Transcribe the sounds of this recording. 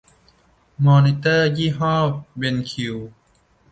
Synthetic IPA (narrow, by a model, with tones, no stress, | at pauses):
mɔː˧ni˧t̪ɤː˥˩jiː˥˨ɦɔː˥˩p̚we˧nkʰi˨˩w